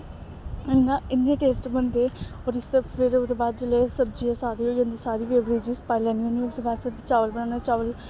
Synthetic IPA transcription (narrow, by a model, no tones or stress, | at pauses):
ɪnːãɪnːẽːʈeːsʈbənd̪eːɔːɾɪspʰɪɾt̪eːbaːd̪d͡ʒeleːsəb̚d͡ʒiːaːsaːɾiːɦoːiə̃ːnd̪iːsaːɾiːpeːʋɾiːd͡ʒiːsə̥paːilɛ̃ːniõːnioːt̪eːbaːd̪pʰɪɾt͡ʃaːʋəlbəɳãːnaːt͡ʃaːʋəl